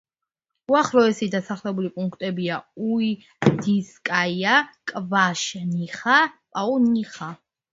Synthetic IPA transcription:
uaχɾɔɛsid̪asaχlɛbulipʼuŋkʰt̪ʼɛbiaui | d̪̥iskʼajakʼvaʃniχapʼaɔniχa

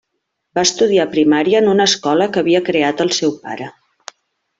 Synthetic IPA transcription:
baəst̪uð̞iapɾimaɾiəːnunəskɔləkəβiəkɾeat̪əlˠsɛwpa̰ɾə

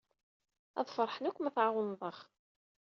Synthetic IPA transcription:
æ̰ðˤfɑɾˤħnækʷːmæθʕaʁənðˤəχ

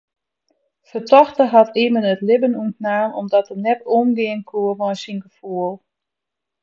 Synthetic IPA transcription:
fətʰɔxtəɦɔtiːmənətlɪbənuəntnaːnɔ̰mdɔtənɛtoːnɡɪənkʰuərʋɔjsinɡəfuəlˠ

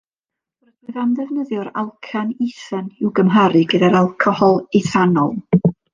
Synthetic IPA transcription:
roɨðamðɛvnəðjʊɾalˠkʰaniθanɪwɡəmɦaɾɨɡədaɾalˠkʰɔhɔlˠiθanɔlˠ

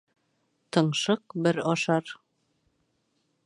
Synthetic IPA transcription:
t̪ɤ̆ɴʃɤq̚bɘɾɒʃɑɾ

